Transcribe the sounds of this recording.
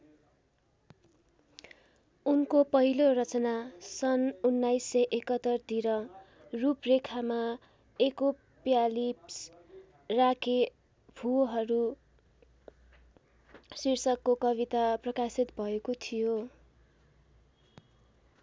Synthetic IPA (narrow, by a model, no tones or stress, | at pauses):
unkopʌɦilorʌt͡sʌnasʌnunːajsːʌjʔekʌt̪ːʌrt̪iɾʌ | ruprekʰama | eko | pjalips | rakʰe | bʱuɦʌɾu | sirsʌkːokʌβit̪aprʌkasit̪bʱʌekot̪ʰijo